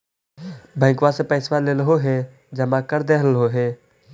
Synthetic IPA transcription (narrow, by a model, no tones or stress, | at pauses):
bɛ̃ːŋkʋasepəːsʋaleːlɦoɦe | d͡ʒəmakəɾd̪eɦəlɦoɦeː